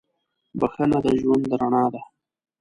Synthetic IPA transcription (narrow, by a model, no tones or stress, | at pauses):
bəxanad̪əʒwand̪əɾaɳɑːd̪a